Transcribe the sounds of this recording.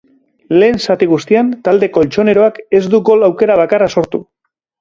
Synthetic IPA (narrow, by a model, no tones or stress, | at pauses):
le̞ːnsat̪iɣ̞ust̪iant̪ald̪e̞ko̞lt͡ʃo̞ne̞ɾo̞ake̞zd̪uɡo̞lawke̞ɾaβ̞akaraso̞ɾt̪u